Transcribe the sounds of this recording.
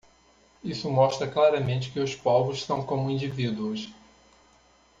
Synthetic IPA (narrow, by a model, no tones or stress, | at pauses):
isʊmɔʃt̪ɾɐklaɾɐmẽnt͡ʃɪ̥kɪʊspɔvʊssɐ̃w̃kõmʊĩd͡ʒivid̪uʊs